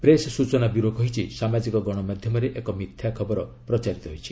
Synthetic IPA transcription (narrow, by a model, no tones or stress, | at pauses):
pɾessut͡ʃɔnabiɾoɡɔɦit͡ʃʰisamad͡ʒikɔɡɔɽ̃ɔmad̪ʱjɔmɔɾeʔekɔmit̪ʰjakʰɔbɔɾɔ | pɾɔt͡ʃaɾit̪ɔɦojt͡ʃʰi̥